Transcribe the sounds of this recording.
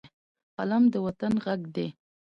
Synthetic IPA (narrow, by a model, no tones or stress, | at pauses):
alamd̪əwat̪anɣaɡd̪e